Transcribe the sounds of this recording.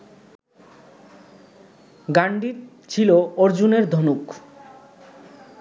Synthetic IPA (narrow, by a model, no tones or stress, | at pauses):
ɡaɳɖiɾ | t͡ɕʰilooɾd͡ʑuneɾd̪ʱonuk